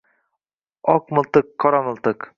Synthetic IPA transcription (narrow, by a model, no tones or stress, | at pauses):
ɒqmɨ̆lˠt̪ɨkʰːɒɾamɨ̆lˠt̪ɤq